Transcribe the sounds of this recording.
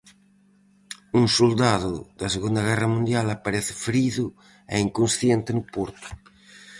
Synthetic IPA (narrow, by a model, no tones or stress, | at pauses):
uŋsuld̪aðʊðɐseɣund̪ɐɣ̞ɛrɐmũnd̪jalapaɾeθɪ̥fɾiðʊ | ḛiŋkunsθjent̪ɪnʊpuɾt̪ʊ̥